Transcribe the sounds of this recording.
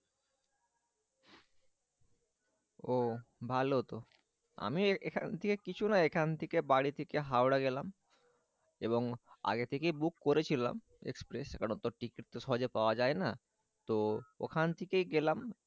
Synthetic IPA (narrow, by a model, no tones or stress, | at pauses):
obʱalot̪o | a̰miekʰant̪ʰekekit͡ɕʰunaekʰant̪ʰekebaɽit̪ʰekeɦaoɽaɡelam | eboŋa̰ɡet̪ʰekejbukːoɾet͡ɕʰila̰m | ḛkspɾesekaɽont̪oʈikiʈ̚t̪eʃɔɦod͡ʑepaoad͡ʑaena | t̪oo̰kʰant̪ʰekejɡelam